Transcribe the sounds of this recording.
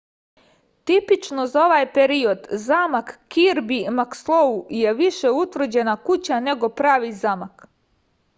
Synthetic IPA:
t̪ipit͡ʃno̞zao̞ʋajpeɾio̞d̪zaːmakːiɾbimakslˠouje̞ʋiʃe̞ut̪ʋr̩d͡ʑe̞nakut͡ɕane̞ɡo̞pɾaːʋizaːmak

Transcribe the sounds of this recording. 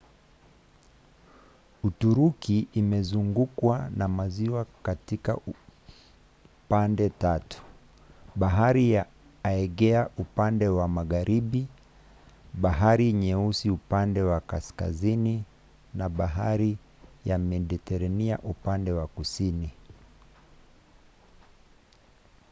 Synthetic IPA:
utuɾukiʔːmɛzuŋɡukwanamaziwakatika̰ | pandɛtatu̥ | ɓaɦaɾija | aɛɡɛaʔupandɛwamaɣaɾʔiɓi | ɓaɦaɾiːɲɛusiupandɛwakaska̰zini | naɓaɦaɾi | jamɛɗitɛɾaniaʔupandɛwakusini

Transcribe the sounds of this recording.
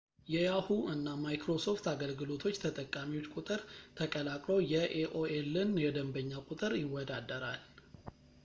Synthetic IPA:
jɛjahuʔɨnːamajkɾo̞so̞ft̪aɡəlɡɨlo̞t̪ʰo̞t͡ʃːt̪ʰət̪ʼəkʼːamiwot͡ʃːkʼut̪ʼɨɾt̪ʰəkʼəlakʼlo̞wjɛʔeʔoelːɨnjɛd̪əmbəɲːakʼut̪ʼɨɾjɪwːɔd̪ad̪əɾal

